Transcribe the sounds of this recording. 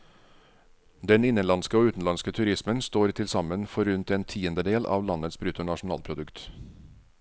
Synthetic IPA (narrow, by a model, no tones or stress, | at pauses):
d̪ɛnɪnənlɑnskəoːʉːt̪n̩lɑnskət̪ʰʉɾɪsmənst̪oːɾt̪ʰɪlsɑmənfɔɾʉnt̪ɛːnt̪ʰiːənd̪əd̪eːlʔɑ̰ːʋlɑnət̪sbɾʉt̪ʊɳɑʂn̩ɑ̰ːlpʰɾʊd̪ʉkt̪